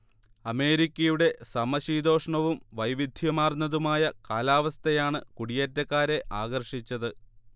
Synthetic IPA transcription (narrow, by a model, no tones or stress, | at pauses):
ɐme̞ːɾikʲːɐjuɽe̞sɐmɐɕiːd̪o̞ːʂɐɳɐʋumʋɐjʋid̪ʱjɐmaːrnːɐðumaːjɐkaːlaːʋɐst̪ɐjaːɳɨkuɽijeːtːɐkːaːɾe̞ʔaːɣɐrʂit͡ɕːɐðɨ